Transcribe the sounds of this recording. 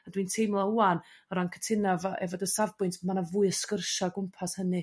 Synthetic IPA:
adwintʰejmlˠɔuanɔɾankʰə̥tʰɪnavʔɛ̰vɔdəsavbʊɨntʰmanavuɨəskərʃaɡʊmpʰashənɨ

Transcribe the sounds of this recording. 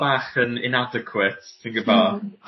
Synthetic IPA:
b̥aːχənɪ̰nadɛkʰwɪtsɪnɡəbɔ

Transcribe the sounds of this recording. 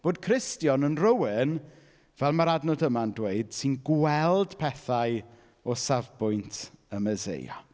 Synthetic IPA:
b̥oːd̥̚kʰrɪstjɔnənrəwɪn | vɛlˠmaɾadnɔdəmandweɨd̥sɨnɡwɛlˠd̥pʰɛθaɨ | ɔsavbʊjntʰəməzḛjɔ̰

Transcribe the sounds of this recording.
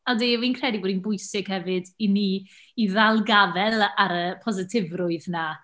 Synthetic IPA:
adiːwiːnkʰr̥ɛdibɔːdinbʊjsɪɡ̥hɛvɨdiniː | ðalˠɡavɛlˠaɾəpʰɔzɪtʰɪvrʊɨðna

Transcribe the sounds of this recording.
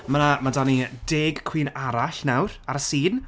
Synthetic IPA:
manamadanideːɡkʰw̥iːnaɾaɬnawɾaɾəsiːn

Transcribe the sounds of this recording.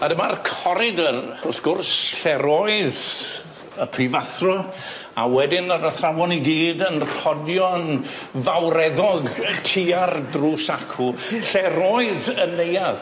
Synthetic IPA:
adəmarkʰɔɾɪdərɔsɡ̥ʊrsɬɛɾoɨð | əpʰrivaθrɔ | a̰wɛdɪnaɾəθrawɔniɡiːdənrɔdjɔn | vawɾɛðɔɡtʰiardrusakʰu | ɬɛɾoɨðəlejað

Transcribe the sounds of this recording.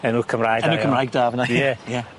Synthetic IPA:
ɛnuːkʰəmrajɡənnuːkʰəmrajɡ̚daːvənaɛjɛ

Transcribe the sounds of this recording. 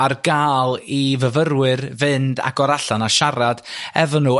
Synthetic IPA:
arɡaːlˠivəvəɾwɨrvɨnda̰ɡɔɾaɬanaʃaɾad̥ɛvɔnu

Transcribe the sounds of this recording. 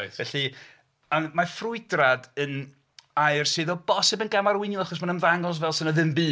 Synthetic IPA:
ɛɬi | amafrʊɨdradən | ajrsɨðɔbɔsɪbənɡamaɾwɪnjɪlˠaχɔs̬manənðaŋɔs̬vɛlˠsɨnəðɪmbɨː

